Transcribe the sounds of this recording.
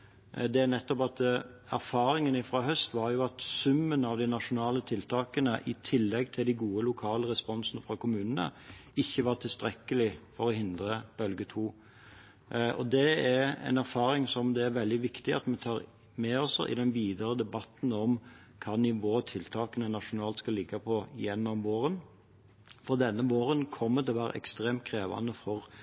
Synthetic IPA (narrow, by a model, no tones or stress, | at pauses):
d̪ɛænɛt̪ːɔpɑt̪æɾfɑːɾɪŋənɪfɾɑːɦœst̪ʋɑɾjʊɑt̪sʉmːənɑʋd̪æɪnɑʂʊnɑːlət̪ʰɪlt̪ʰɑːkənəʔɪt̪ʰɪlːɛɡ̚t̪ʰɪld̪ɪɡuːəlʊkʰɑːləɾɛspɔnsn̩fɾɑkʊmʉːnənə̰ɪçːəʋɑɾt̪ʰɪlst̪ɾɛkːəlɪfɔɾɔhɪnd̪ɾəb̥œlɡət̪ʰuː | ɔ̰d̪ɛæɾɛ̰næɾfɑːɾɪŋsɔmd̪ɛæɾʋɛld̪ɪʋɪkt̪ɪɑ̰t̪mɛt̪ʰɑːɾ | mɛɔsɔ̰ʔɪ̰d̪ɛnʋiːd̪əɾəd̪ɛbɑt̪n̩ɔm | kʰɑːnɪʋoːt̪ʰɪlt̪ʰɑːkənənɑʂʊnɑːlt̪skɑlːɪɡːɑpʰɔɪjɛnːɔmʋoːɾən | fɔʁd̪ɛnːəʋoːɾənkʰɔmːət̪ʰɪlʋæːɾə̰ʔɛ̰kst̪ɾeːmt̪̚kʰɾeːʋɑ̰nəfɔʁ